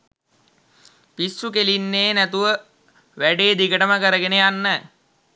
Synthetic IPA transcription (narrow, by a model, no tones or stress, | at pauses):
pisːukelinːeːnæt̪uʋə | ʋæɖeːd̪iɡəʈəməkəɾəɡeneanːə